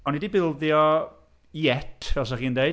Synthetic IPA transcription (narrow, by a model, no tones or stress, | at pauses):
ɔnidibɪlˠðjɔ | jɛtʰvɛs̬aχiːndejd